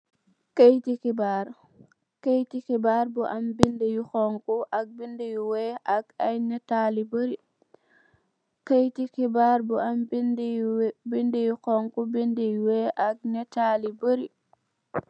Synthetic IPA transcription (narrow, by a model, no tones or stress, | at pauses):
kejtikibaɾ | kejtikibaɾbɔʔambindɛjuxɔŋkuʔaɡ̚bindejuwɛʔaɡajnɛtalibəɾi | kajtikibaɾbɔamdbindɛjukɔŋkubindejwɛʔaɡ̚nɛtaːlibəɾi